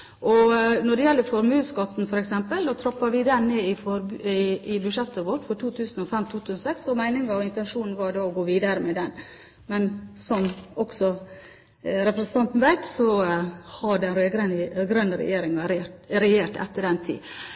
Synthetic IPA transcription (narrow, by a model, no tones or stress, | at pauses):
ʔɔnɔɖɛjɛlːəɾfɔɾmʉːskɑt̪ːnfɔɾɛksɛmpəld̪oːt̪ʰɾɑpːɑɾʋɪd̪ɛnːeːɪfɔɾɪɪbʉʂɛt̪ːəʋoːʈfɔʈʰuːt̪ʰʉːsn̩ɔfɛmt̪ʰuːt̪ʰʉːsn̩sɛksɔmæɪnɪŋɑʋɪnt̪ɛnʂuːnn̩ʋɑɖɑːɔɡoːʋiːd̪ɑɾəmɛd̪ɛn | mɛnsɔmɔksɔ | ɾɛpɾɛsn̩t̪ʰɑnt̪n̩ʋæɪk̪sɔhɑɖɛnɾøːɡɾənɡɾœnːəɾɛ̰jeːɾɪŋɑɾeɾɛjeːʈɛ̰t̪ːəɖɛnt̪ʰḭː